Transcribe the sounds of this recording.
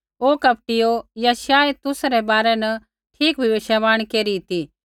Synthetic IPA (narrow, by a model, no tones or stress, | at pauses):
oːkɐp̚ʈɪjojaʃaːet̪ʊsɾɛbaːɾɛnɐ | ʈʰiːkbʱɪʋeːʃaʋaːɽ̃keːɾit̪i